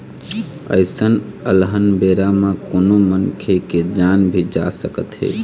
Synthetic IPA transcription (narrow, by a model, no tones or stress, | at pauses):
ə̰ɪsənəlɦənbeɾamẽkonomənkʰeked͡ʒanbʱid͡ʒa̰səkət̪ɦḛ